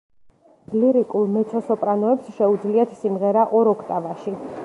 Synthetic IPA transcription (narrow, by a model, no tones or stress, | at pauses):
bliɾikʼulˠmɛt̪sʰɔsɔpʼɾanɔɛpsʃɛud̪zliat̪ʰsimʁɛɾaʔɔɾɔkʰt̪ʼavaʃi